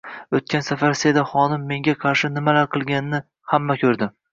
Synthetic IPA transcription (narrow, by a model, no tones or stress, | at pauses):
ɵt̪̚kʲansafaɾsed̪aχɒnɪmːe̞ŋɡʲaqʰɑɾʃɪnɪmalaɾqʰɨlˠɡʲanɪnɪ | hamːakʲʰɵɾd̪ɪ